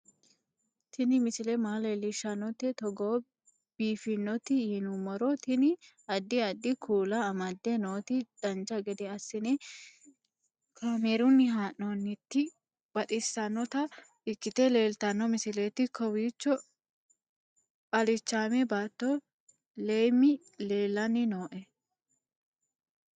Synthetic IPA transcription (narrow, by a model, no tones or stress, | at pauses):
t̪ʰɪnɪmɪsɪlɛmaːlelɪʃɐnːɔt̪ɛt̪ɔɡoː | b̥iːfɪnːɔt̪ɪhɪnʊmɔɾɔt̪ɪnɪ | ɐd̪ːɪɐd̪ːɪkʰuːlɐːmɐd̪ːɛnoːt̪ɪd̪̥ɐnt͡ʃɐɡɛd̪ɛɐsːɪnɛ | kʰaːmeːɾʊnːɪɦaːʔonːɪt̪ːɪ | b̥ɐt̪ʼɪsːɐnːɔt̪ɐ | ɪkːɪt̪ɛle̞ːlt̪ɐnːɔmɪsɪleːt̪ːɪkʰɔwiːt͡ʃːɔ | pʼɐlɪt͡ʃːaːmɛbaːt̪ːo | leːmɪ | leːlɐnɪno̞ːʔɛ